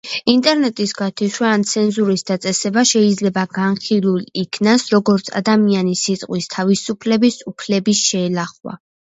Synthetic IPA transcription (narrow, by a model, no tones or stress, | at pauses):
int̪ʼɛɾnɛt̪ʼisɡat̪ʰiʃwaant̪sʰɛnzuɾisd̪at̪sʼɛsɛbaʃɛid̪zlɛbaɡanχilˠulikʰnasɾɔɡɔɾt̪sʰa̰d̪amianisit̪ʼqʼwist̪ʰavisupʰlɛbisupʰlɛbisʃɛːlaχwa̰